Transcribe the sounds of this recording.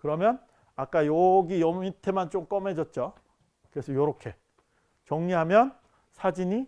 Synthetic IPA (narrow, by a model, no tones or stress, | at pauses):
kɯɾʌmjʌn | ak͈ajʌɡijʌmitʰe̞mant͡ɕ͈omk͈ʌme̞d͡ʑʌt̚t͡ɕ͈o | kɯɾe̞sʰʌjoɾokʰe̞ | t͡ɕʌŋɲiɦamjʌn | sʰad͡ʑiɲi